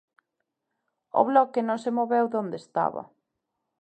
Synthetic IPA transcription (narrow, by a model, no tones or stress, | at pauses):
o̰βlɔkɪnõŋsemoβewðond̪est̪a̰βɐ̰